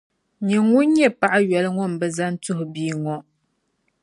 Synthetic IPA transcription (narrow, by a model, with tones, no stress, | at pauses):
ɲɛ˨ŋu˦n˦ɲɛ˦pa˦ʔa˦ɥɛ˨lɨ˦ŋɔ˦m̩˨bɛ˦za˦n˦tʊ˦ɦʊ˨biː˦ŋɔ˦